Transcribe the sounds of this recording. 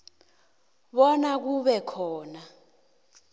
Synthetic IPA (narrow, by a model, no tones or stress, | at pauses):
ɓɔnak̬uɓɛkʰɔːna